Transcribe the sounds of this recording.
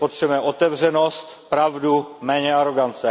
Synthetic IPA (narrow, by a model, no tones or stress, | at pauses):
pot̪r̥ɛbmɛʔot̪ɛvr̝ɛnost̪pɾavdumɛːɲɛaɾo̞ɡant͡sɛ